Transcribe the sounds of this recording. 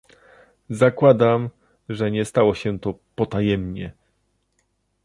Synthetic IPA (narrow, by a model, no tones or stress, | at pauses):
zakwad̪am | ʐɛɲɛst̪awɔɕɛt̪ɔpɔt̪ajɛmɲɛ